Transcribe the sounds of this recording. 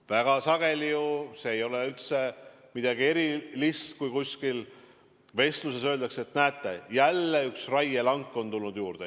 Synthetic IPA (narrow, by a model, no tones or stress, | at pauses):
væɡ̥ɑsɑɡ̥e̞lijuse̞ːjo̞leylt̪se̞ | mid̪̥ɑɡie̞ɾilist̪kujkusʲkil | ve̞st̪luse̞sø̞ːld̪ɑkseet̪næːt̪ːˑejælːeyksrɑjelɑŋkːˑo̞nt̪ulnud̪̥juːɾd̪̥e